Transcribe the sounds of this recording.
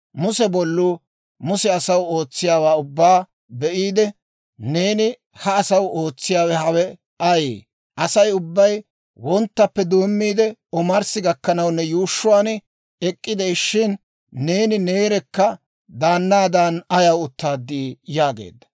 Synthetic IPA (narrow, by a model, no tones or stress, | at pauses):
mʊsɛbɔlːuː | mʊsɛɐsɐwo̞ːt͡sːɪjaːwaːʊbːaː | bɛʔiːd̪ɛ | ne̞ːnɪ | hɐːsɐwo̞ːt͡sːɪjaːwɛhɐwɛ | ɐjḛː | ʔɐsɐjʊbːɐj | wɔnt̪ːɐpːɛd̪oːmːiːd̪ɛɔmɐɾsɪɡɐkːɐnɐwnːɛjuːʃːʊwaːn | ɛkʼːɪd̪ɛʃːɪnː | e̞ːnɪne̞ːɾɛkːɐ | d̪aːnːaːd̪anɐjɐwʊt̪ːaːd̪ːiːjaːɡḛːd̪ːɐ̥